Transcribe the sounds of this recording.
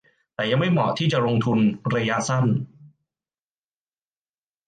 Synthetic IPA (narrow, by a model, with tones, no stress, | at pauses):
t̪ɛː˨˩ja˧ŋma˥˩jmɔ̰˨˩t̪ʰiː˥˩t͡ɕa˨˩ɾo˧ŋt̪ʰu˧npʰɾa˧jaː˧sa˥˩n